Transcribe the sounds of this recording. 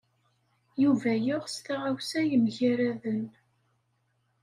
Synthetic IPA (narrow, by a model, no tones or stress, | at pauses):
juvæjʊʁst̪aʁawsæjəmʝaɾæðən